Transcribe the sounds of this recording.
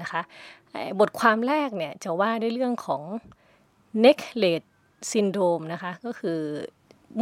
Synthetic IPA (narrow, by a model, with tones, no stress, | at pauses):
na˦˥kʰa˦˥ʔʔaː˨˩bo˨˩t̪̚kʰwaː˧mɾɛː˥˩k̚ni˥˩ɐt͡ɕa˨˩waː˥˩du˥˩jlɯ˥˩əŋkʰɔː˩˦ŋ | ne˦˥k̚leː˨˩t̪̚ | si˧ndɾoː˧mna˦˥kʰa˦˥kɔː˥˩kʰɯː˧